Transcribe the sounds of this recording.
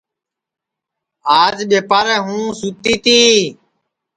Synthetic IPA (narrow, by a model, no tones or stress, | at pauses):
aːd͡ʒɓeːpaːɾɛːɦũːsuːt̪iːt̪iː